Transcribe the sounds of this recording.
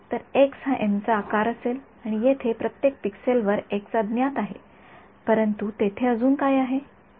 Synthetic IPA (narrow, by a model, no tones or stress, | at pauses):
t̪əɾeksɦãʔemt͡saːkaɾəsel | aɽ̃ijet̪ʰepɾət̪jek̚pikselʋəɾeksəd̪njat̪aɦḛ | pəɾənt̪ut̪et̪ʰeəd͡zuːnkajaɦe